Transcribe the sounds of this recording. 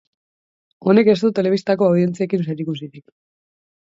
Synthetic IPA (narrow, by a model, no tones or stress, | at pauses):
o̞ne̞ke̞st̪ut̪e̞le̞β̞ist̪ako̞awðie̞nt͡sie̞kinseɾikusiðik